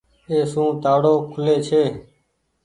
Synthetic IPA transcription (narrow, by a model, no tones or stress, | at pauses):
eːsũːt̪aːɽoːkʰʊleːt͡ʃʰeː